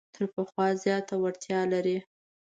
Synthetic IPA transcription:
t̪ʰəɾpəxwɑzjɑt̪awaɽt̪jɑlaɾi

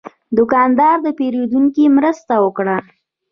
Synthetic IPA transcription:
d̪ʊkɑnd̪ɑɾd̪əpeɾed̪uŋkimɾəst̪awəkɽa

